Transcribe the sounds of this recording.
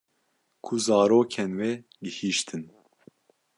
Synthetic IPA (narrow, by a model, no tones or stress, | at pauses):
kʰuzɑːɾoːkʰɛnwɛ | ɡɨhiːʃt̪ʰɨn